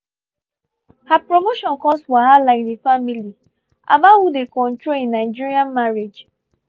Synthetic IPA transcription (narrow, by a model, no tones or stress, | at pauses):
hapɹomoʃɔ̃nkɔstwahadlaɪk̚defamili | a̰bahudekɔ̃ntɹolĩnaɪd͡ʒiɹiãnmaɹed͡ʒ